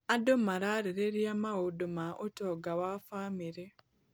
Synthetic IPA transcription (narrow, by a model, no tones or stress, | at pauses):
adomaɾaɾeɾeɾjamaɣodomaʔotoɡawafaːmiɾe